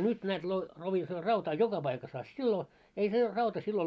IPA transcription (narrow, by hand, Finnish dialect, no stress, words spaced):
nyt næːt lo loʋisoː rɑutɑː jokɑ pɑikɑs ɑ silːo ei se rɑutɑ silːo